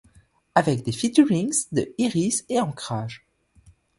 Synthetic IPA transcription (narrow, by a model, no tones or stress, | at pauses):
avɛk̚d̪efit̪yʁiŋzd̪əiʁiseɑ̃kχaːʒ